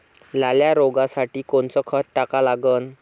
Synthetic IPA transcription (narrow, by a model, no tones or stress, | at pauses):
laljaɾoɡasaʈiːkoɳt͡səːkʰəɾʈakalaɡəːn